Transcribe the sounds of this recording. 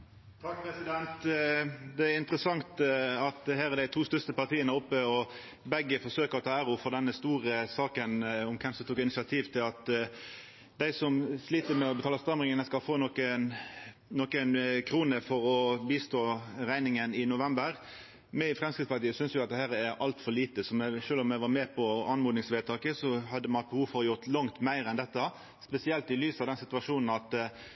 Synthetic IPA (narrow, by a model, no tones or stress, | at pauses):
t̪ʰɑk̚pɾɛsɪd̪ɛnt̪ | d̪ɛæɾɪnt̪əɾəsɑŋt̪ɑt̪hæːɾɛd̪æɪt̪ʰuːst̪œɾst̪əpɑt̪ʰiːənəɾʊpːəɔ | bɛɡːəfɔʂøːkəɾɔt̪ʰɑːæɾʊfɔʁd̪ɛnːəst̪uːɾəsɑːkənʊmkʰɛmsmt̪uːkɪnɪsɪɑt̪ʰiːʋt̪ʰɪlɑt̪ | d̪æɪsɔmsliːt̪əmɛɔbɛt̪ʰɑːləst̪ʁɛmʁɪŋənəskɑlfoːnɔkən | nɔkənkʰɾuːnəfɔɾɔbiːst̪oːɾæɪnɪŋənɪnʊʋɛmbəɾ | mɛfʁɛmskɪt̪spɑɾt̪iːəsʏnsjʊɑt̪̚d̪ɛhæːɾæɾɑlt̪fɔɾɭiːt̪əsɔmɛʃøːlɔmɛʋɑɾmɛːpʰɔɑnmʊːd̪nɪŋsʋeːt̪ʰɑːkəsɔhɑd̪ːəmɑbəhuːʋfɔɾjʊɾt̪lɑŋt̪mæɪɾɛnd̪ɛt̪ːə | spɛsɪɛlt̪ɪlyːsɑʋd̪ɛnsɪt̪ʉɑʂuːnn̩ɑt̪